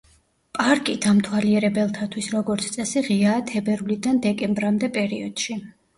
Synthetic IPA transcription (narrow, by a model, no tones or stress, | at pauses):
pʼaɾkʼid̪̥amt̪ʰwaliɛɾɛbɛlˠt̪ʰat̪ʰwisɾɔɡɔɾt̪sʰt̪sʼɛsiʁiaːt̪ʰɛbɛɾulid̪and̪ɛkʼɛmbɾamd̪ɛpʼɛɾiɔd̪̥ʃi